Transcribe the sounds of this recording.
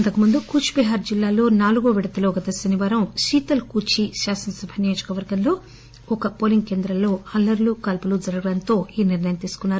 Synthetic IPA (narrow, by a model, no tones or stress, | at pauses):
nt̪ɐkumund̪ukuːt͡ʃpiɦaːɾd͡ʒilːaːlo̞ːnaːluɡoːʋiɽɐt̪ɐloːɡɐt̪ɐsɐniʋaːɾɐmʃiːt̪ɐlkuːt͡ʃiʃaːsɐnɐsɐbʱɐnijoːd͡ʒɐkɐʋɐɾɡɐnlo̞ː | ɔkɐpoːliŋɡke̞ːnd̪ɾɐlo̞ːɐlːɐɾlukaːlpulud͡ʒɐɾɐɡɐɽɐnt̪o̞ːiːniɾnɐjɐmt̪iːsu̥kunːaːɾu